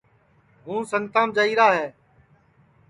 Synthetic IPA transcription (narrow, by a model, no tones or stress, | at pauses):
ɦũːsəŋt̪ãːmd͡ʒaːiːɾaːɦɛː